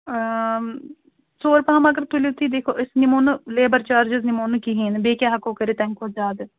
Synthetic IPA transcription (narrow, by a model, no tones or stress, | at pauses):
soːɾpɐɦɐmɐɡəɾt̪ʊlit̪ʰːiːd̪eːkʰoːʔɪsnɪmoːnleːbəɾt͡ʃaːɾd͡ʒɪznɪmoːnkiɦiːnbeːkʲjaːɦɐkoːkəɾeːt̪ɛ̃ːŋkoːzaːd̪